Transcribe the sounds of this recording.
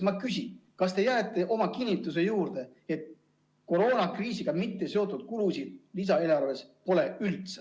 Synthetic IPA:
mɑkysʲinkɑst̪e̞jæet̪ːˑe̞ʔo̞mɑkinʲːit̪ːˑus̬e̞juːɾd̪̥e̞ | e̞t̪̚ | ko̞ɾo̞ːnɑkriːsiɡ̥ɑmit̪ːe̞se̞o̞t̪ːˑud̪̥kulusid̪̥̚lis̬ɑe̞ːlɑrve̞spo̞le̞ylt̪se̥

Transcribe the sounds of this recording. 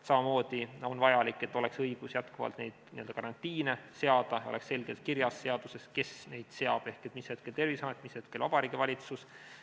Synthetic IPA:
sɑmɑmo̞ːd̪̥io̞nvɑjɑlikːˑe̞t̪ːˑo̞leksɤjɡ̥usjæt̪kuvɑ̰lt̪ne̞jd̪̥nḭøld̪ɑkɑɾɑnt̪ʲːˑiːnese̞ɑd̪̥ɑjo̞leksːe̞lɡ̥elt̪̚kirjɑsːe̞ɑd̪̥use̞ske̞sne̞jd̪̥se̞ɑb̥e̞hkˑet̪ːˑmishet̪̚ke̞lt̪e̞rvisɑmet̪ːˑmishe̞t̪kelvɑb̥ɑɾiːɡ̥ivɑlʲit̪sus

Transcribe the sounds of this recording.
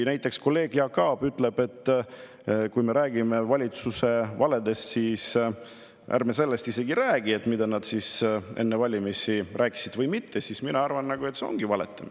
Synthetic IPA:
næjt̪ːˑe̞ksko̞lːe̞ːɡ̥jɑkɑːb̥yt̪ːˑle̞b̥e̞t̪ː | kujme̞ɾæːɡ̥ime̞vɑlʲit̪suse̞vɑle̞d̪e̞st̪siːs | ʔæ̰rmese̞lːest̪ise̞ɡiɾæːɡ̥ie̞t̪ːmid̪̥ɑnɑd̪̥sisʔe̞̰nːevɑlʲimisirʔæːkːˑi̥sid̪vɤjmit̪ʰːesisminɑɑrvɑnːɑɡ̥ue̞t̪seo̞̰ŋɡ̥ivɑle̞t̪ːˑem

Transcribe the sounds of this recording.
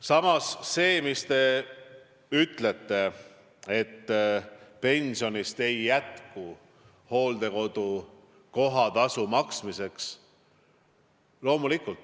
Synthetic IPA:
sɑmɑsːe̞ːmist̪e̞ | yt̪ˑle̞t̪ːe̞ | e̞t̪ːpe̞nʲsio̞nist̪e̞jːæt̪ku | ho̞ːld̪e̞ko̞d̪̥u | ko̞ɦɑt̪ɑsumɑksmise̞ks | lo̞ːmulikult̪ː

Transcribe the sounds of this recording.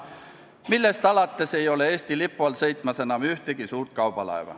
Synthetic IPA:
milːest̪ɑlɑt̪ːeseijoleest̪ilipːuɑlseit̪ːmæsenɑmyht̪ekisuːrt̪̚kɑupɑlɑ̰iʋɑ̰

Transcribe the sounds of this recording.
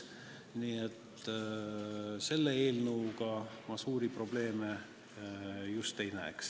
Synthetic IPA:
niːet̪ː | se̞lːee̞ːlnəwɡ̥ɑmɑsuːɾipro̞b̥le̞ːme | just̪e̞jnæ̰ḛks

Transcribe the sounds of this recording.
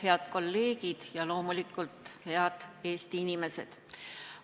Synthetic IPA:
he̞ɑd̪̥̚ko̞lːe̞ːɡ̥id̪̥jɑlo̞ːmulikːˑult̪ˑhe̞ɑd̪̥e̞ːst̪iinime̞se̞d̪̥

